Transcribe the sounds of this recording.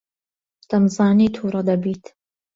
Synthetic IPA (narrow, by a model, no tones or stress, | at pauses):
d̪̥ɐmzɑːniːt̪ʰuːɾɐd̪ɐbiːt̪ʰ